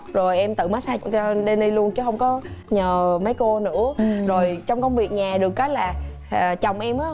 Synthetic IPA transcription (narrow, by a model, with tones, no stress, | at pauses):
zo˨˩jʔɛ˧mt̪ɨ̰˧˨maː˨˦jsaː˧t͡ɕɔ˧ɗe˧nɗi˧lu˧ənt͡ɕɨ˨˦ɦə˧wŋ͡mkɔ˨˦ɲəː˨˩mə˨˦jko˧nɨ̰˧˥əzo˨˩jt͡ɕɔ˧wŋ͡mkɔ˧wŋ͡mvi˨˩ək̚ɲaː˨˩ɗɨ˨˩əkːa˦j̚laː˨˩˨ | t͡ɕɔ˨˩wŋ͡mʔɛ˧mʔaː˨˦˥